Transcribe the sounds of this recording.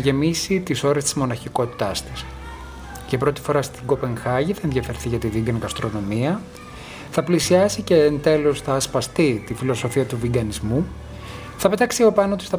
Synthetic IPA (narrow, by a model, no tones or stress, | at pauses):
ʝe̞misit̪iso̞ɾest̪i̥zmo̞nɐçiko̞t̪i̥t̪ɐst̪i̥s | ʝɐpɾo̞t̪i̥fo̞ɾɐst̪iɡo̞pe̞ŋxɐʝiθɐenðʝɐfe̞ɾθiʝɐt̪iðiɡɐnɣɐst̪ɾo̞no̞miɐ | θɐplisiɐsice̞nt̪e̞lo̞sθɐːspɐst̪it̪ifilo̞so̞fiɐt̪uviɡɐnizmu | θɐpe̞t̪ɐksiɐpo̞pɐnot̪uisθɐ